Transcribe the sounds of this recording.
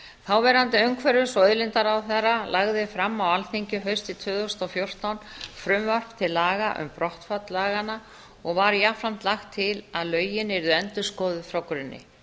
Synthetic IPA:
θawvɛːɾant̪ɪœŋkʰvɛɾʏsɔœðlɪnt̪aɾawθaɾalʔaɣðɪfɾamːawalθiɲcʏɦœɥst̪ɪt̪ʰvʏːðost̪ɔfjowr̥t̪awnfɾʏmvar̥pt̪ʰɪlːaːɣaʔʏ̰mpɾɔht̪fat̪laːɣana | ɔɣvaɾjafɾam̥t̪laxt̪ʰːɪlaðlœːɥjɪnɛɾðɛnt̪ʏskɔːðʏfɾawkɾɪnːɪ̰

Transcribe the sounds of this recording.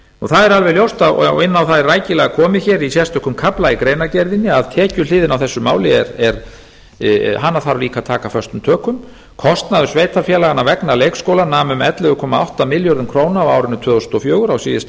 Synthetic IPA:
ɔθaðɛɾalvɛjljowst̪að̰ɪnːawθaðɛrːaːjcɪlɛɣakʰɔːmɪçɛːɾisjɛst̪œhkːʏmkʰaplaikɾejnacɛɾðɪnɪaðt̪ʰɛːcʏlɪːðɪnawθɛsːʏmaːwlɪɛɾɛɾ | ɦanːaθaɾliːkat̪ʰaːkafœr̥st̪ʏmt̪ʰœːkʏm | kʰɔst̪naðʏsveːjt̪afjɛlaɣanːavɛknaleːjkskowlanaːmʏmɛt̪lɛðʏkʰɔːmaa̰wht̪amɪljɔɾðʏmkʰɾoːwnaːwaːwɾɪnʏt̪ʰvœːɣʏst̪ɔfjoːɣʏɾawsiːjɪs

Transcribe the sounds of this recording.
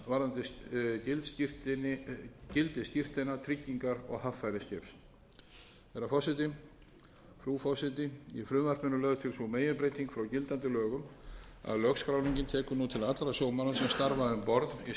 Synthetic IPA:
vaɾðant̪ɪcɪlt̪sir̥t̪ɪ | cɪlt̪ɪsc̪ir̥t̪ɪnat̪ʰɾicːiŋkaɾɔ̰ɣhafːajɾɪscɛjps | θɛɾafɔsɪt̪ɪ | fɾuːfɔsɪt̪ɪifɾʏːvar̥pʏnʏlɛɣðʏt̪ʰɪlsɔmeːjʏpɾejt̪iŋkfɾawcɪlt̪ant̪ɪlœːɣʏma̰ðlœxskɾawniɲcɪnt̪ʰɛːkʏnut̪ʰɪlat̪lɾasjoːwmanasɛmst̪aɾvaðʏmpɔɾði

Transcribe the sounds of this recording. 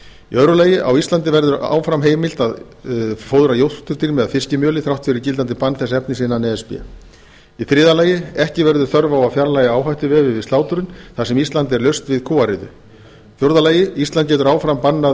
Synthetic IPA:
ḭœðɾʏlaːjɪʔa̰wist̪ant̪ɪvɛɾðʏɾa̰ːwfɾamɦeːjmɪl̥t̪að | foːwðɾajowht̪t̪ʏɾt̪iɾmɛðaðfɪscɪmjœːlɪθɾawht̪fɪɾɪɾcɪlt̪ant̪ɪpanːθɛs̬ːaɛpnɪsɪnːanɛɛspɪ̰a̰ | iθɾɪːðalaːjɪɛhcɪvɛɾðʏ̥θœɾvaawafjaɾlaːjaaːwɦajht̪ʏvɛːvɪvɪst̪aːwt̪ʏɾʏnθasɛmist̪lant̪ɛɾlœɥst̪vɪðkʰuːaɾɪðʏ̰ | θjoɾðalaːjɪist̪lant̪̚cɛt̪ʏɾaːwfɾampanːa

